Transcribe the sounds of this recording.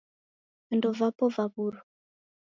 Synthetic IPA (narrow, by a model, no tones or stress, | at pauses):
ɛndɔvapɔvaβuɾɔ